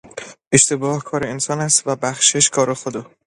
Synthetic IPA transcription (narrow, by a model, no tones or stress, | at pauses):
ʔe̞ʃt̪ebɒːhkʰɒːɾeensɒːnæst̪væbæxʃeʃkʰɒːɾexod̪ɒː